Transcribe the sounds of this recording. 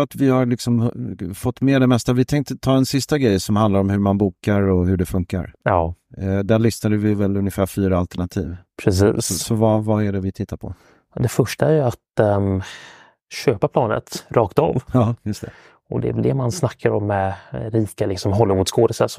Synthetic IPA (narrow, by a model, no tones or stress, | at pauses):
at̪vɪhaɾlɪksɔmfɔt̪ːmeːɖ̪ɛmɛst̪avɪt̪ʰɛŋk̚t̪ət̪ʰɑːd̪ɛnsɪst̪aɡɾɛjːsɔmhand̪laɾɔmhɵɾmanbuːkaɾɔhɵɖɛfɵŋka̰ɾɑːd̪æɭʏsnad̪əvɪvɛlɵnjəfæːɾfyːɾaalt̪əɳat̪ʰḭːvpʰɾɛsḭːssɔvavaæɖɛvɪt̪ʰɪt̪ʰːaɾpʰɔ̰ | d̪ɛfœʂʈaæɾjɵat̪ | ɕøːpapʰlɑːnə̰t̪ɾʔɑːkt̪ɑ̰ːvjɑːjɵst̪ʰɛ | ɔd̪ɛ̰ɛvɛld̪ɛmansnakʰːaɾɔ̰mːɛɾiːkalɪksɔmɦɔlːɪmuːt̪skoːd̪əsəs